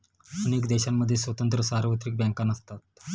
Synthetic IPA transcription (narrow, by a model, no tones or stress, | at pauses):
ənekd̪eɕamːəd̪ʱːjesʋət̪ənt̪ɾəsaɾʋət̪ɾik̚bjãŋkanəst̪at̪̚